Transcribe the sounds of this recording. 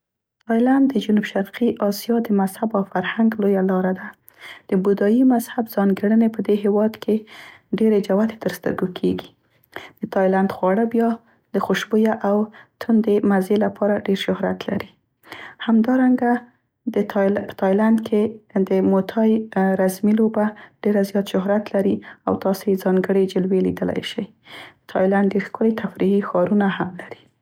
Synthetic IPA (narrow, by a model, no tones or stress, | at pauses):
t̪ɑjland̪̚d̪əd͡ʒʊnubʃaɾqiʔɑsijɑd̪əmazhabawfaɾhaŋɡlojalɑɾad̪a | d̪̥əbud̪ɑjimazhabzɑnɡaɽənepəd̪eɦewɑd̪kʰeɖeɾed͡ʒawat̪e̥t̪əɾst̪ə̰ɾɡokʰeɡi | d̪̥ət̪ɑjland̪xwɑɽəbjɑ | d̪̥əxuʃbujaʔawt̪ʰund̪emazelapʰɑɾaɖeɾʃʊhɾa̰t̪la̰ɾi | hamd̪ɑɾaŋɡa | d̪əpə̥t̪ʰɑjland̪kʰed̪əmot̪ʰɑjɾazmilobaɖ̥eɾazjɑt̪ʃʊɦɾat̪laɾia̰wt̪ɑsojezɑŋɡəɽed͡ʒɪlwelḭd̪əla̰jʃaj | ət̪ʰɑjlaɳɖːeɾxkʊlet̪ʰafɾiɦixɑɾunahamlaɾi̥